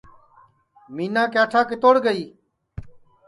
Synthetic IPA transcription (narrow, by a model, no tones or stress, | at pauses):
miːnãːkjaːʈʰaːkɪt̪oːɽɡəiː